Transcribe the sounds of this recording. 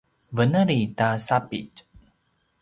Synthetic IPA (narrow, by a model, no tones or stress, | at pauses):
vənəɾitasapḭt͡ʃ